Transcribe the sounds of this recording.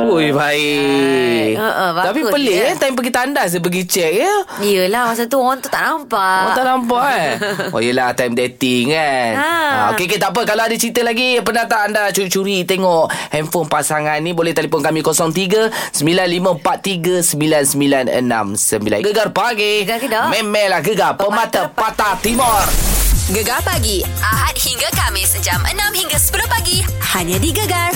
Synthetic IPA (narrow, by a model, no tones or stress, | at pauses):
ujbai | əʔəbat̪apipəlɪant̪ajmpəɡit̪andahs̬əbəɡit͡ʃɛk̚jəijəlahmas̬at̪uoŋant̪u̥t̪a̰ʔnampaant̪aʔnampaʔo̰jəlaht̪ajmdet̪ikana̰okek̬et̪aʔp̬əkaloadət͡ʃit̪əlaɡipənat̪aʔandat͡ʃuɾit͡ʃuɾit̪eŋɔʔhɛmfʊnpasaŋanːibolɛht̪alipʊnkamĩkosɔŋt̪iɡəsəmbilanliməmpat̪̚ːiɡəsəmbilansəmbilanə̰nã̰msəmbila̰nɡəɡarpaɡeɡadmɛmɛlahɡəɡappəmat̪apat̪at̪imɔrɡəɡapaɡiʔaɦat̪̚hiŋɡakamĩsəd͡ʒamʔə̰nãmhiŋɡasə̥pəɾopaɡihaɲadiɡəɡar